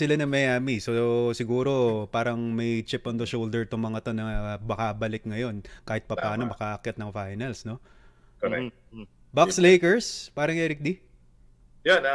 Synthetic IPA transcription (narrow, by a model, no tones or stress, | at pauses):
sɪlanɐmɛjʔaːmisosɪɡuːɾo̞paːɾɐŋmɐjt͡ʃɪpʔond̪ɐʃowld̪ɛɹt̪oŋmɐŋɐt̪o̞nɐbɐkabɐlɪk̚ŋɐjo̞nkaːhɪt̪̚pɐpaːnomɐkaʔɐkjɐt̪nɐŋfajnɐlsno̞ | koɛ | bakslejkɛɹspaːɾɐŋʔɛːɾɪk̚d̪i | jonɐ